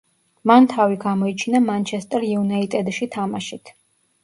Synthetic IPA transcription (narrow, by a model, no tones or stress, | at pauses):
mant̪ʰaviɡamɔit͡ʃʰinamant͡ʃʰɛst̪ʼɛɾiunait̪ʼɛd̪ʃit̪ʰamaʃit̪ʰ